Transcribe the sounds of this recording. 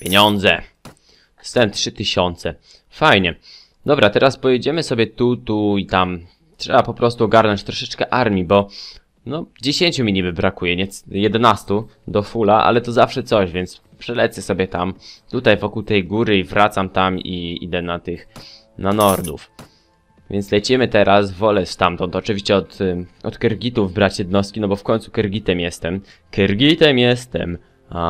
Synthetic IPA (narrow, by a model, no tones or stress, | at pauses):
pʲjeɲɔnd̪zɛ | st̪ɛmtʂɘt̪ɘɕɔnt̪sɛ | fajɲɛ | d̪ɔbɾat̪ɛɾaspɔjɛd͡ʑɛmɘsɔbʲjɛt̪ut̪uit̪am | tʂɛbapɔpɾɔst̪uɔɡaɾnɔɲt͡ɕt̪ɾɔʂɛt͡ʂkɛʔaɾmʲjibɔ | nɔd͡ʑeɕeɲʲt͡ɕumʲiɲibɘbɾakujɛɲɛjɛd̪ɛnast̪ud̪ɔfulaʔa̰lɛt̪ɔzafʂɛt̪sɔʑvʲjɛnt̪s | pʂɛlɛt̪sɛsɔbʲjɛt̪amt̪ut̪ajvɔkuwt̪ɛjɡuɾɘivɾat̪samt̪amiḭd̪ɛnat̪ɘx | nanɔɾd̪ṵf | vʲjɛnt̪slɛt͡ɕimɘt̪ɛɾasvɔlɛst̪amt̪ɔnt̪ɔt͡ʂɨvʲiɕt͡ɕɛɔt̪ɔt̪kɛɾɡʲit̪uvbɾat͡ɕjɛd̪nɔst̪̚kʲinɔbɔfkɔɲ̃t̪su̥kɛɾɡʲit̪ɛmjɛst̪ɛm | kɛɾɡʲit̪ɛmjɛst̪ɛ̰m | a